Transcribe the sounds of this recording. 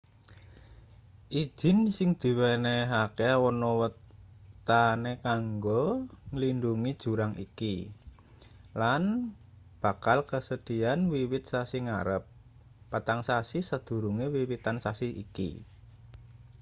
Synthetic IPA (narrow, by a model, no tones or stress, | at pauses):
ʔid̥ʒ̥ɪ̤nsɪŋd̪̥i̤wɛneɦakeawɔnɔwət̪ | anekaŋɡɔŋlinduŋid̥ʒ̥ṳɾaŋḭki | lan | b̥a̤kalkəsəd̪̥i̤anwiwɪt̪̚sasiŋa̰ɾəpː | at̪aŋsasisəd̪̥ṳɾuŋewiwit̪ansasiḭkḭ